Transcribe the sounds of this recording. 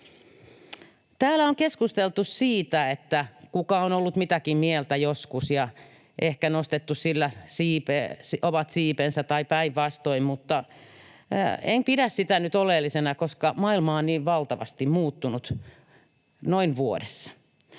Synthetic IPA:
t̪æːlæoŋkeskust̪elt̪ussiːt̪æet̪ːækukɑonolːut̪mit̪ækimmielt̪æjoskusjɑ | ʔehkænost̪et̪ːussilːæsiːpesoʋɑt̪siːpensæt̪ɑipæiʋʋɑst̪oimmut̪ːɑ̰ | eŋpiɾæssit̪ænyt̪olelːisenɑkoskɑmɑilmɑonniːʋʋɑlt̪ɑʋɑ̰st̪immuːt̪ːunut̪ | noinʋuodesːɑ̥

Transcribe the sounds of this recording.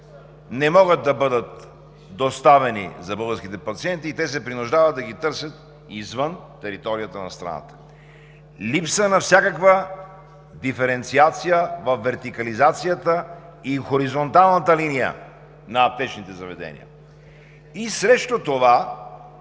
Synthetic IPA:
nɛmɔɡət̪̚d̪ɐbɤd̪ət̪ | d̪ost̪avɛnḭzɐbɤlˠɡəɾskit̪ɛpɐt̪siɛnt̪iːt̪ɛs̬ɛpɾinʊʒd̪avɐd̪̚d̪ɐɡit̪ɤɾsʲjət̪̚ | izvənt̪ɛɾit̪ɔɾiət̪ənɐ̰st̪ɾɐ̰na̰t̪ə̥ | lipsənɐfsʲakəkvə | d̪ifɛɾɛnt̪siat̪sijəvɐfːɛɾt̪ikɐlizat̪sijət̪ə | ixoɾizont̪alˠnət̪əlinijə̰ | nɐːp̚t̪ɛt͡ʃnit̪ɛzɐvɛd̪ɛ̰nḭjə̰ | isɾɛʃt̪ot̪ova

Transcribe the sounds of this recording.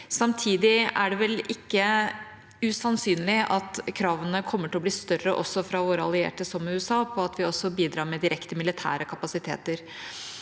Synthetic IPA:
sɑmt̪ʰiːd̪ɪæɖɛʋɛlɪkːə | ʉsɑnsyːnlɪʔɑt̪kʰɾɑːʋənəkʰɔmːəʈʰɪlɔbliːst̪œrə̰ʔɔsɔfɾɑʋoːɾəɑ̰lɪḛːʈəsɔmʉɛsɑːpʰɔɑt̪ʋɪɔsːɔbiːd̪ɾɑːɾmɛd̪ɪɾʔɛkt̪əmɪlɪt̪ʰæ̰ːɾəkʰɑpɑsɪt̪ʰḛːt̪əɾ

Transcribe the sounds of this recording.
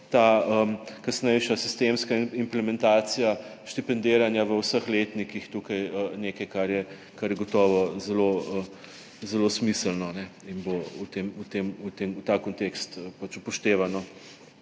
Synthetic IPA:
t̪aəmkɐsnɛjʃasist̪emskaimplɛmɛ̃nt̪aːt̪sijaʃt̪ipɛnd̪eːɾanjaʋəwsəxleːt̪nikixt̪ukajəneːkɐjkaɾjɛ | kaɾjɛɡɔt̪ɔːʋɔzɛloə | zɛlosmisəlnɔnɛinbout̪emut̪emut̪emut̪aːkɔnt̪ekst̪əpat͡ʃupɔʃt̪eːʋanɔ

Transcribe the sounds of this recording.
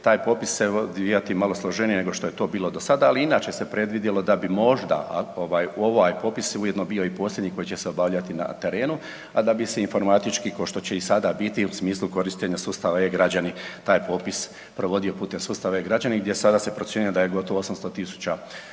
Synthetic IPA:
t̪aːjpo̞ːpisːeod̪ijat̪imalo̞slˠoʒenijene̞ɡo̞ʃt̪o̞jet̪o̞ːbiːlo̞d̪o̞sad̪aːliinaːt͡ʃesepɾe̞d̪ʋid̪jelo̞d̪abimo̞ʒd̪a̰ʔa̰oʋaːjo̞ʋajpo̞ːpiseujed̪nobiːo̞ipo̞sʲlʲje̞d̪ɲiko̞jit͡ɕe̞seobaːʋʎat̪ina̰t̪e̞ɾe̞ːnu | ad̪abise̞info̞ɾmat̪it͡ʃkikoʃt̪o̞t͡ɕe̞isad̪abit̪iusmiːslˠuko̞ɾiʃt̪eɲasuːst̪aʋaeɡɾad͡ʑanit̪aːjpo̞ːpis | pɾo̞ʋo̞d̪io̞puːt̪e̞msuːst̪aʋaeɡɾad͡ʑaniɡd̪je̞sad̪asepɾo̞t̪sʲje̞nujed̪ajeɡo̞t̪o̞ʋoosamst̪o̞t̪isu̥t͡ɕa

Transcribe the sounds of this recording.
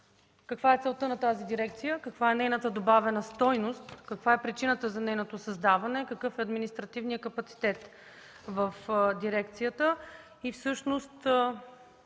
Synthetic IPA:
kɐkvaɛt̪sɛlˠt̪ənɐt̪azid̪iɾɛk̚t̪sijəkɐkvaɛnɛjnət̪əd̪obavɛnəst̪ɔjnost̪kɐkvaɛpɾit͡ʃinət̪əzɐnɛjnot̪osɐzd̪avɐnɛkɐkɤfɛɐd̪minist̪ɾɐt̪ivnijəkɐpɐt̪si̥t̪ɛt̪ | vəfd̪iɾɛkt̪sijət̪ə | ifsɤʃnost̪

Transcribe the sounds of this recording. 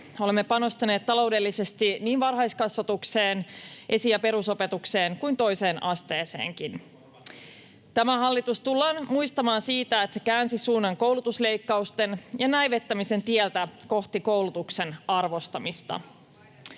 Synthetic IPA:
o̞lemːe̞pɑno̞st̪ɑneːt̪t̪ːɑlo̞wde̞lːise̞st̪iniːnʋɑrɦɑjskɑsʋɑt̪ukse̞ːnʔe̞sijɑpe̞ɾuso̞pe̞t̪ukse̞ːŋkujnt̪o̞ise̞ːnʔɑst̪e̞ːse̞̰ːŋkin | t̪æmæhɑlːit̪ust̪ulːɑːnmuist̪ɑmɑːnsiːt̪æet̪se̞kæːnsisuːnːɑŋko̞wlut̪usle̞jkːɑust̪e̞njɑnæjʋe̞t̪ːæmise̞nt̪iɛlt̪æko̞ht̪iko̞wlut̪ukse̞nɑrʋo̞st̪ɑmist̪ɑ̰

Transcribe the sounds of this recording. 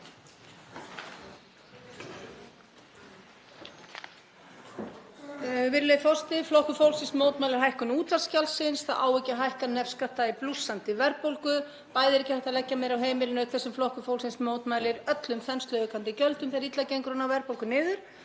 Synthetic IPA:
vɪɾleθɔst̪ɪflɔhkʏfowlsɪnsmoːwt̪majlɪɾ̥ɦajhkʏnuːt̪vascalsɪnsθaʔaːwɛcaɦajhkanɛfskaht̪aiplusːant̪ɪvɛɾpowlkʏ | paːjðɪɾɛjcɪhajht̪alɛcːameːjɾawɦeːjmɪlɪnʏkʰθɛsːʏmflɔwhkʏfowlsɪnsmoːwt̪maːjlɪɾœt̪lʏmθɛnst̪œʏkant̪ɪcœlt̪ʏmθijaɾit̪lacejŋkɾɔnawvɛɾpowlkʏnɪːðʏɾ̥

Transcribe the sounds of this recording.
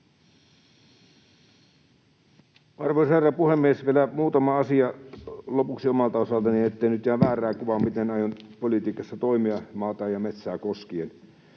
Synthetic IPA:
ɑrʋoisherːɑpuhemːiesʋielæmuːt̪ɑmɑɑsiɑlopuksiomɑlt̪ɑosɑlt̪ɑniet̪ːeinyt̪jæːʋæːræːkuʋɑmit̪enɑjonpolit̪iːkɑsːɑt̪oimiɑmɑːt̪ɑːjɑmet̪sæːkoskien

